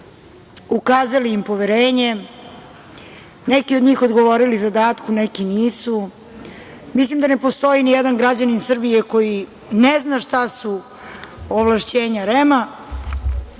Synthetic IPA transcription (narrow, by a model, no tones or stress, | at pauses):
ukaːzaliimpo̞ʋeɾeːɲe̞ | nekiod̪ɲiːxo̞d̪ɡo̞ʋo̞ɾilizad̪aːt̪kunekiniːsu | mislimd̪anepo̞st̪o̞inijed̪anɡɾad͡ʑaninsr̩bije̞ko̞ji | neznaʃt̪asu | oʋlˠaʃt͡ɕeːɲaɾema